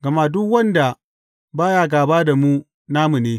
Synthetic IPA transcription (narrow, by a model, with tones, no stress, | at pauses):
ɡɐ˨ma˦dʊ˦kwɐ˦nda˨ | baː˦jaː˦ɡaː˨baː˦da˨mu˦ | naː˦mu˨neː˦